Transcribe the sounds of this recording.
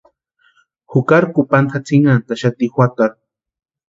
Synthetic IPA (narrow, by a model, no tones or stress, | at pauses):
hʊkaɾkupant̪ʰat͡sʰiŋant̪aʃat̪ixwat̪aɾ